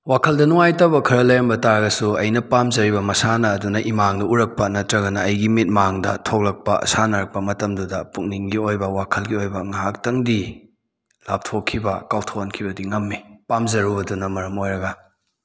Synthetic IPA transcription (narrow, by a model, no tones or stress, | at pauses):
wakʰɐldɐnuŋajtɐbɐkʰɐɾɐlɐjɾɐmbɐtaɾɐɡɐsuɐjnɐpamzɐɾibɐmɐsanɐːdunɐʔimaŋdɐuɾɐk̚pɐnɐtɾɐɡɐnɐɐjɡimit̚maŋdɐ̰tʰok̚lɐk̚pɐʔɐ̰sanɐɾɐk̚pɐmɐtɐmdudɐpuk̚niŋɡiojbɐwakʰɐlɡiojbɐŋaɦak̚tɐŋdi | la̰p̚tʰokʰːibɐkawtʰoɐnkʰibɐdiŋɐmːipamzɐɾubɐdunɐmɐɾɐmojɾɐɡɐ